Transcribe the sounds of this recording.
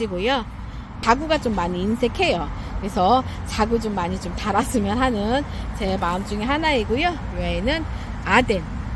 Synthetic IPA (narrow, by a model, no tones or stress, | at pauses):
iɡojo | t͡ɕaɡuɡat͡ɕomːaɲiːnsʰe̞kʰe̞jo | kɯɾe̞sʰʌ | t͡ɕaɡut͡ɕomːaɲit͡ɕomtaɾas͈ɯmjʌnɦanɯnt͡ɕe̞maɯmd͡ʑuŋeɦanaiɡojo | weːnɯn | aden